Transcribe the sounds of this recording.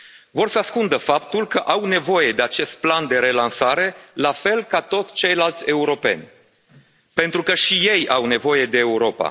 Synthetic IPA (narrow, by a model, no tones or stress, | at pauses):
vo̞rsəaskund̪əfapt̪ulkəʔawne̞vo̞je̞d̪e̞at͡ʃe̞st̪̚pland̪e̞ɾe̞lansaɾe̞lafe̞lkat̪o̞t̪sʲt͡ʃe̞jlalt̪sʲe̞uɾo̞pe̞̰nʲ | pe̞nt̪ɾukəʃije̞jawne̞vo̞je̞d̪e̞ːuɾo̞pa̰